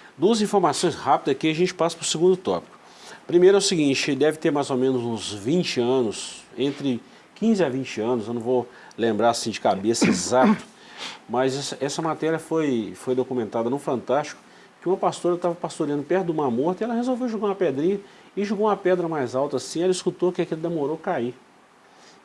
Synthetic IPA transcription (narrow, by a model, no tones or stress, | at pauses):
d̪uɐzĩfoɾmasõj̃shapid̪ɐkiaʒẽnt͡ʃɪ̥pasɐ̥pɾʊsiɡũd̪ʊt̪ɔ̰pi̥kʊ̥ | pɾimejɾʊɛʊsiɡĩnt͡ʃɪd̪ɛvɪt̪eɾmajzomẽnʊzũzvĩnt͡ʃɪɐ̃nʊsẽnt̪ɾɪ | kĩzɪavĩt͡ʃɪɐ̃nʊzewnɐ̃w̃vo | lẽmbɾaɾasĩd͡ʒɪkabesɐezat̪ʊ̥ | mɐzɛsɐʔɛsɐmat̪ɛɾiɐfojfojd̪okumẽnt̪ad̪ɐnʊfɐ̃nt̪ast͡ʃi̥kʊ̥ | kɪũmɐpast̪oɾɐt̪avɐpast̪oɾiɐ̃d̪ʊpɛt̪ʊd̪ũmamoɾt̪iɛlɐɦezowvewʒuɡaũmɐped̪ɾĩɲɐ | ɪʒuɡoũmɐpɛd̪ɾɐmajzawt̪ɐaːsĩɛlɐiskut̪okɪakilɐd̪emoɾokaiɾ